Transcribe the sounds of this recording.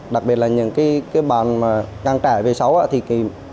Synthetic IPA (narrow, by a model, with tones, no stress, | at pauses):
ɗa˨˩k̚ɓi˨˩ət̚laː˨ɲɨ̰˧˥ŋkaː˨˦jkaː˨˦jɓaː˨nmaː˨˩ka˧ŋt͡ɕaː˧˩ve˨˩sa˨˦wʔa̰ː˧˥t̪ʰi˨˩ki˧˩